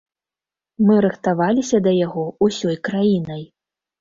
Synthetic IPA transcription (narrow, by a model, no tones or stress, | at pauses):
mɨɾɨxt̪avalʲisʲɐd̪ɐjaɣɔusʲɔjkɾajinɐj